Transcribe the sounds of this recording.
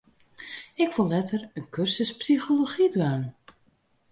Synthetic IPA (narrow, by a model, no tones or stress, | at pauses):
ɪkʋolˠːɛtərənkørsəspsiχoloχidʋaːn